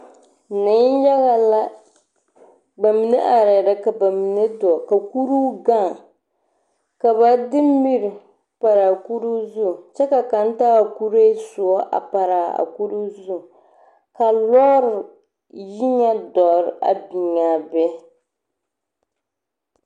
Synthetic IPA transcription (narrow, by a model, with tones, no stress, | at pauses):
nɪ˨˦n˦ja˦ɣa˨la˦ | ba˨mi˨nɛ˦ʔa˨ɾɛ˨ɾɨ˦ka˨ba˨mi˨nɨ˦dɔ˨ka˨ku˦ɾu˦ɡa˦˨ŋ | ka˨βa˨dɨ˦mː˦i˦ɾ | pa˨ɾa˨ku˦ɾu˦zʊ˦˨t͡ʃɛ˦ka˨ka˨n̩˦taː˦˨ku˦ɾeː˦sʊ˨ɔ˦ʔa̰˨pa˨ɾaː˨a̰˨ku˦ɾu˦zu˦˨ | ka˨lɔ˦ɾʊ˨ | ʒi˦ɲa˦dɔ˨ɾʔa̰˨bi˨ɲa˨bɛ˦